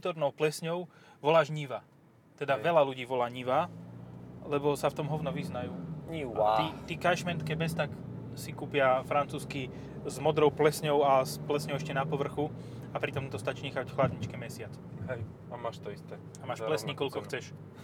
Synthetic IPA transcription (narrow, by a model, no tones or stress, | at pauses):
ut̪ɔɾnɔʊplɛsɲɔʊ | ʋɔlaːʒɲiʋaː | t̪ɛd̪aʋɛlaluɟiːʋɔlaːɲiʋaː | lɛbɔsaft̪ɔmɦɔʋnɔʋiznajuːɲiit̪iːkaʃmɛnt̪kɛbɛst̪aksikuːpɪafɾant͡suːski | zmɔd̪ɾɔʊplɛsɲɔʊasplɛsɲɔʊɛʃcɛnapɔʋr̩xu | apɾit̪ɔmt̪ɔst̪at͡ʃiːɲɛxacxlad̪ɲit͡ʃkɛmɛsɪat͡s | ɦɛj | amaːʃt̪ɔist̪ɛ | amaːʃlɛsɲikɔlkɔxt͡sɛʃ